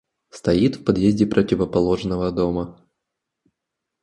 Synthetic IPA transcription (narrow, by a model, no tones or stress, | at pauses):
st̪ɐit̪fpɐd̪jezʲdʲɪpɾʔətʲɪvəpɐlˠoʐnəvəd̪o̞mə